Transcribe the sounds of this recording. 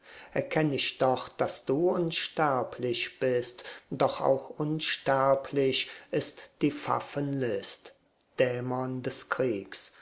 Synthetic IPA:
ʔɛɐkʰɛnɪçd̥ɔχd̥asd̥uːʊnʃtɛɐpʰlɪʃb̥ɪstd̥ɔχa̰ʊxʔʊnʃtɛɐpʰlɪʃʔɪstd̥iːfa̰fənlɪst | d̥ɛːmɔndɛskʁ̥iːks

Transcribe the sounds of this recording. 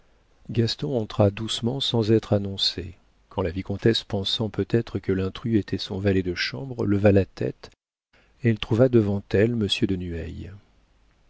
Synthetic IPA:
ɡast̪ɔ̃ɑ̃t̪χad̪usmɑ̃sɑ̃zɛt̪χanɔ̃sḛ | kʰɑ̃lavikɔ̃t̪ɛspɑ̃sɑ̃pøt̪ɛt̪χəkəlɛ̃t̪χyet̪ʰɛsɔ̰̃valɛd̪əʃɑ̰̃bʁləvalat̪ɛ̰t̪ | eɛlt̪χuvad̪əvɑ̃t̪ɛlməsjød̪ənyɛ̰j

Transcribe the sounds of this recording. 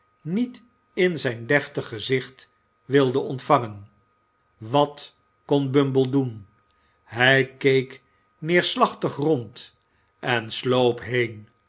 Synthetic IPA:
nit | ɪnzɛjndɛftəχəzɪχt | ʋɪlˠdəɔntfɑŋən | ʋɑt | kɔnbɵmbəlˠdun | ɦɛjkejk | nɪːɹslɑχtəχrɔnt | ʔɛnslowpɦejn

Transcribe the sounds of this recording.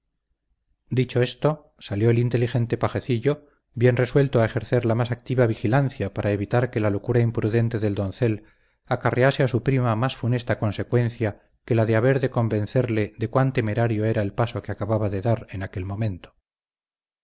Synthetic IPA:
d̪it͡ʃo̞e̞st̪o | saljo̞elint̪elixe̞nt̪e̞paxe̞θiʎo | bje̞nre̞swe̞lt̪oae̞xe̞ɾθe̞ɾlamasak̚t̪iβaβixilanθjapaɾʔae̞βit̪aɾke̞lalo̞kuɾaimpɾuðe̞nt̪eðe̞ld̪o̞nθe̞l | akarease̞asupɾimamasfune̞st̪ako̞nse̞kwe̞nθja | ke̞laðe̞aβe̞ɾðeko̞mbe̞n̟θe̞ɾle̞ðekwant̪e̞me̞ɾaɾjo̞e̞ɾaelpaso̞keakaβaβaðe̞ðaɾe̞nake̞lmõ̞mẽ̞nt̪o

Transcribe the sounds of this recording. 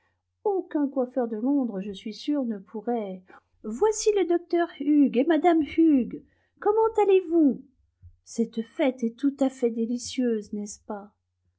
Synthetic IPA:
okʲɛ̃kwafœʁd̪əlɔ̃d̪ʁəʒəsɥisyʁnəpʰuʁɛ | vwasiləd̪ɔk̚t̪œʁyɡemad̪amyɡ | kɔmɑ̃t̪alevu | sɛt̪fɛt̪ɛt̪ut̪afɛd̪elisjøznɛspa

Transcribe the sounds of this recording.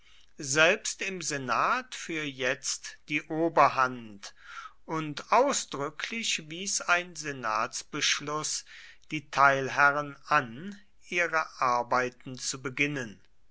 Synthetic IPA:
zɛlpstɪmzenaːtfyːɐjɛt͡std̥iːʔoːbɐhantʔʊntʔaʊsd̥ʁʏkʰlɪʃviːsaɪnzenaːtsb̥əʃlʊs | d̥iːtʰaɪlɦɛʁənan | ʔiːʁəʔaɐbaɪtn̩t͡subəɡɪnən

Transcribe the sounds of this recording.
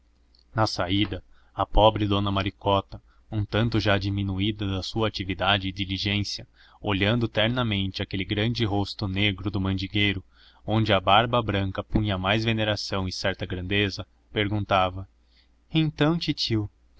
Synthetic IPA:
nɐsaid̪ɐ | ɐpɔbɾɪd̪õnɐmaɾikɔt̪ɐ | ũt̪ɐ̃nt̪ʊʒad͡ʒiminuid̪ɐd̪ɐsuɐːt͡ʃivid̪ad͡ʒɪːd̪iliʒẽsjɐ | oʎɐ̃nd̪ʊt̪ɛɾnɐmẽnt͡ʃɪɐkelɪɡɾɐ̃nd͡ʒɪɦost̪ʊneɡɾʊd̪ʊmɐ̃nd͡ʒiɡejɾʊ | õnd͡ʒɪɐbaɾbɐbɾɐ̃ŋkɐpũɲɐmajzveneɾasɐ̃w̃ɪsɛɾt̪ɐɡɾɐ̃nd̪ezɐ | peɾɡũnt̪avɐ | ẽnt̪ɐ̃w̃t͡ʃit͡ʃiw

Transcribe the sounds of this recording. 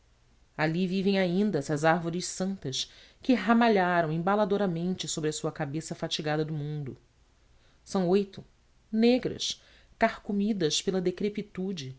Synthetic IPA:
alivivẽj̃aĩnd̪ɐsɐzaɾvoɾɪʃsɐ̃nt̪ɐʃ | kɪɦamaʎaɾɐ̃w̃ẽbalad̪oɾamẽnt͡ʃɪsobɾɪɐsuɐkabesɐfat͡ʃiɡad̪ɐd̪ʊmũnd̪ʊ | sɐ̃w̃ojt̪ʊ | neɡɾɐ̰ʃ | kahkumid̪ɐʃpelɐd̪ekɾepit̪ud͡ʒɪ

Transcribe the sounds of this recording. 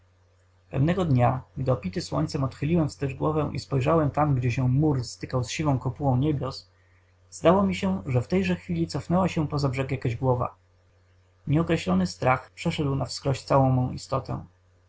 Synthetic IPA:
pɛ̰vnɛɡɔd̪ɲaɡd̪ɘɔpʲit̪ɘswɔ̰ɲʲt̪sɛmɔt̪xɘlʲiwɛmfst̪ɛʐɡwɔvɛ̃ʔḭspɔjʐawɛmt̪amɡd͡ʑɛɕɛmuɾst̪ɘkawsɕivɔ̃w̃kɔpuwɔ̃w̃ɲebʲjɔs | z̥d̪awɔmʲiɕɛʐɛft̪ɛjʐɛxfʲilʲit̪sɔfnɛwaɕɛpɔzabʐɛkjakaʑɡwɔva̰ | ɲɛɔkɾɛɕlɔnɘst̪ɾaxpʂɛʂɛd̪wnafskɾɔɕt̪sawɔ̃w̃mɔ̃w̃ḭst̪ɔt̪ɛ̰̃

